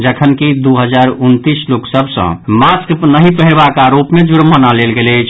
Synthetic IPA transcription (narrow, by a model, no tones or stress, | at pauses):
d͡ʒəkʰənkid̪uɦəd͡ʒaɾunt̪isloksəbʱsə̰̃masknəɦĩpəɦiɾbakaːɾopmed͡ʒuɾmənalelɡelət͡ʃʰ